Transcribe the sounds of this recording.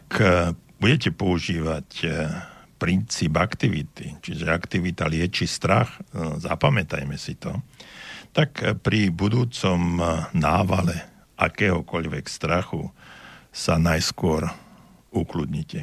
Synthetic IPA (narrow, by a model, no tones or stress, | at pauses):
akb̥uɟɛcɛpɔuʒiːʋac | pɾint͡siːbakt̪iʋit̪it͡ʃiʒɛakt̪iʋit̪alɪɛt͡ʃist̪ɾaxza̰pamɛt̪a̰jmɛsit̪ɔ | t̪akpɾibud̪uːt͡sɔmnaːʋalɛ | ʔakɛːɦɔkɔʎʋɛkst̪ɾaxu | sanajskʊɔɾ | uklud̪ɲicɛ